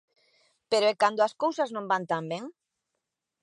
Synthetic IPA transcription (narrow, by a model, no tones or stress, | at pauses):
peɾoɛkand̪oaskowsaznõmbant̪ambɛŋ